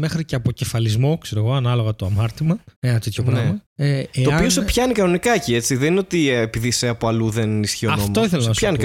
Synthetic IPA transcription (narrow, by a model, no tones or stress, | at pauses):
mexɾiceɐpoce̞fɐlizmo̞kseɾo̞ɣo̞ɐnɐlo̞ɣɐt̪oɐmɐɾt̪imɐenɐt̪et̪çopɾɐmɐeeoɐpinosepçɐnikɐno̞nikɐciet͡siðeninot̪iepiðiseɐpoɐluðenisçioɐnfomtoiθelɐnɐsɐni